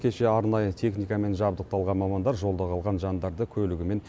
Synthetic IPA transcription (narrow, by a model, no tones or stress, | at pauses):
kʲʰe̞ʃe̞ɑɾnɑjət̪ʰe̞χnijkɑme̞nʒɑbd̪əq̚t̪ɑlˠʁɑnmɑmɑnd̪ɑɾʒo̞lˠd̪ɑʁɑlˠʁɑnʒɑnd̪ɑɾd̪əkʲʰɵlɪɡʲɪme̞n